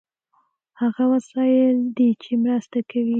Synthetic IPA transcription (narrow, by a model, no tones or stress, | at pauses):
haɣawaslɑjəd̪it͡ʃemɾast̪akawi